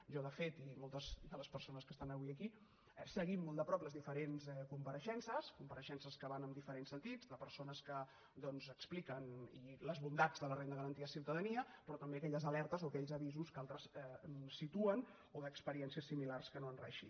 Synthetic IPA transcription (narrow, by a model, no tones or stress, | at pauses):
ʒɔðəfet̪imolˠt̪əzd̪ələspəɾsonəskəst̪anəβiəki | ɛsəɣimːolˠd̪əpɾɔpləzðifəɾenzɛkumpəɾəʃɛnsəskumpəɾəʃɛnsəskəβanəmd̪ifəɾensənt̪id͡zd̪əpəɾsonəskə | d̪ɔnzəksplikəniləzβund̪ad͡zðələrend̪əɣəɾənt̪iəsiwt̪əðəniəpɾɔt̪əmbeəkɛʎəzəlɛɾt̪əzoəkɛʎzəβizuskalˠt̪ɾəsɛsit̪uən | oðəkspəɾiɛnsiəsːimilarskənoənrɛ̰ʃḭ